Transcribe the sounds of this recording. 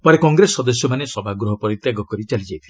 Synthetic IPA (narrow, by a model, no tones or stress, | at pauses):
pɔɾekɔŋɡɾesːɔd̪ɔsjɔmanesɔbʱaɡɾɔɦɔpɔɾit̪jaɡɔkɔɾit͡ʃalid͡ʒajt̪ʰile